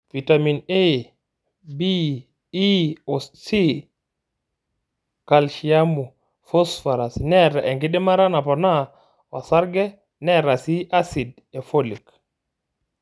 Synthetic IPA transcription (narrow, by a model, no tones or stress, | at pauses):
vitamine | biː | osi | kalʃijamu | fɔsfaɾasnɛɾaʔɛŋɡiɗɛmaɾanapɔna | wa̰saɾɡɛ | nɛɾasiʔasid | ɛfolik